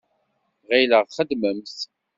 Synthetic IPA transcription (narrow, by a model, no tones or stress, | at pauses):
ʁiləʁχəd̪məmθ